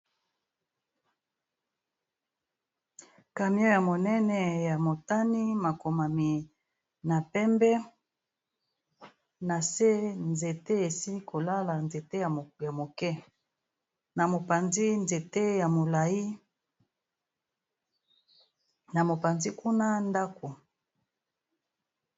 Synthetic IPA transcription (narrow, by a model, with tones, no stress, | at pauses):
ka˨mjɔ̃˦ja˨mo˨nɛ˦nɛ˨ja˨mo˨ta˦ni˦ma˨ko˨ma˨mi˨ | na˨pɛ˦mbɛ˦ | na˨se˦nze˨te˦e˨si˦kʰo˨la˦la˨nze˨te˦˨ja˨mo˨kɛ˦ | na˨mo˨pa˨nzi˦nze˨te˦ja˨mo˨la˨ji˦ | na˨mo˨pa˨nzi˦ku˦na˦nda˦ko˨